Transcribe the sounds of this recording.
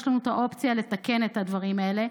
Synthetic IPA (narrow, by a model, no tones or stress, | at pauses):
ʃlanut̪aʔo̞pt͡sijale̞t̪ake̞ne̞t̪had̪vaʁimae̞le̞